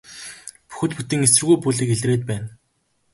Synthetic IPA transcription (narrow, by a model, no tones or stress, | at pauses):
pu̥xɘ̆t̪put̪ĭːŋesɘ̆rɣujpuɮiːkeɮreːt̪̚pæːn